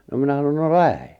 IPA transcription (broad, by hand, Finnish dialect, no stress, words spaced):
no minæ sɑnon no læhe